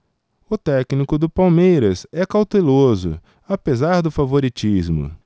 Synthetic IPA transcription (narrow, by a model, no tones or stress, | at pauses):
ʊt̪ɛknikʊd̪ʊpawmejɾɐsɛkawt̪elozʊ̰ | apezaɾd̪ʊfavoɾit͡ʃizmʊ̰